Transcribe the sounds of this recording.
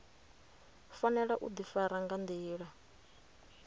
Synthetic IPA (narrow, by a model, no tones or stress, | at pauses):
fanɛɺaʔṵd̪ifaɾaŋɡand̪iːɺa